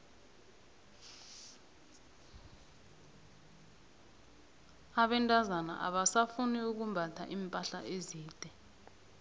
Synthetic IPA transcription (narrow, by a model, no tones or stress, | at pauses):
aɓɛntʼazana̰ʔa̰ɓasafuniuk̬umbʱatʰa̰ʔiːmpʼaɬaʔeziːd̥ʱɛ